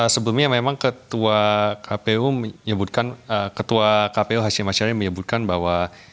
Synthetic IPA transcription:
əsəbəlumɲamemaŋkət̪uakʰapeuməɲəbut̪̚kanəkət̪uakapeuɦaʃɪmaʃaɾiməɲəbut̪̚kanbawa

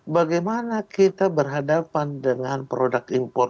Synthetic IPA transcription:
baɡajmanakit̪abərɦadapandəŋanpɾodakimpɔr

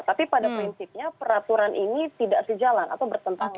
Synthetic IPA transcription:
t̪apipadapɾinsip̚ɲapəɾat̪uɾanʔinit̪idaʔsəd͡ʒalanʔa̰t̪awbərt̪ənt̪aŋ

